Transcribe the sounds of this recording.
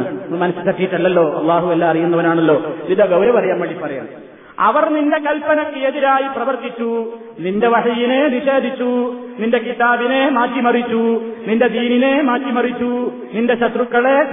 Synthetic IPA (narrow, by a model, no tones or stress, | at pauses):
mɐnɐsɨt̪ɐʈːijiʈːɐlːɐlːo̞ːʔɐ̰lˠːaːɦuɐlːaːɐrijunːɐʋɐnaːɳɐlːo̞ːʋid̪ɐɡɐwɾɐʋɐrɐjaːmʋɐɭːipɐrɐja̰ | ɐ̰ʋɐrninde̞kɐlpːɐnɐkːɨeðiɾaːjiprɐʋɐrt̪it͡ɕːu | ninde̞ʋɐɦijineniɕe̞ːd̪ʱit͡ɕːu | ninde̞kit̪aːbinemaːtːimɐrit͡ɕːuninde̞d̪iːninemaːtːimɐrit͡ɕːu | ninde̞ɕɐt̪rukːɐɭe